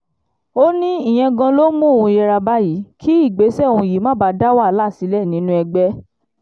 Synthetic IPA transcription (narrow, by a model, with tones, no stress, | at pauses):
o˦nĩ˦i˦˨j̃ɛ̃˧ɡã˧lo˦mũ˦˨ũ˧jɛ˧ɾa˧ba˦ji˨˦kʰi˦i˦˨ɡ͡be˨˦sɛ˦˨ũ˧ji˨˦mã˦˨ba˨˧˦da˦wa˦˨˦la˦˨si˨˦lɛ˦˨nĩ˨˦nũ˦ɛ˧ɡ͡bɛ˦